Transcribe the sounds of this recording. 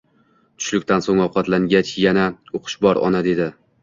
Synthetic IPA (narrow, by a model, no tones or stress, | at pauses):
t̪ʰʊ̥ʃlɪkʲt̪ʰansoŋɒwqʰɑt̪laŋɡʲat͡ʃjanaoqʰʊ̥ʃbɒɾɒ̰nad̪e̞d̪ɪ